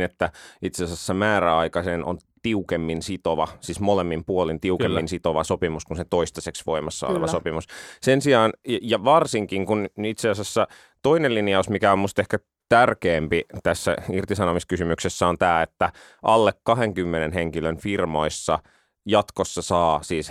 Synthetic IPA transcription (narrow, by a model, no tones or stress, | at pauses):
net̪ːæit̪seɑsesːæmæːɾæɑikɑsenʔo̰nt̪iukemːinsit̪oʋɑsismolemːimpuolint̪iukemːinsit̪oʋɑsopimuskunset̪oist̪ɑseksʋo̰imɑsːɑo̰lḛʋɑsopimussensiɑːnjɑʋɑrsiŋkiŋkunit̪seɑsesːæ | t̪oinelinijɑusmikæommust̪ehkæ | t̪ærkeːmpit̪æsːæ̰irt̪isɑnomiskysymyksesːæont̪æːet̪ːæ | ʔɑlːekkɑɦeŋkymːenenɦeŋkilønfirmoisːɑ | jɑt̪kosːɑsɑːsiːs